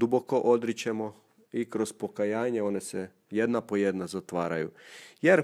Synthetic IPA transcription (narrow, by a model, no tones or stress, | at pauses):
d̪uboko̞ʔod̪ɾit͡ʃemo | ikɾo̞zpo̞kajaːɲeo̞ːnese | jed̪napo̞jed̪nazat̪ʋaːɾa̰jṵjeɾ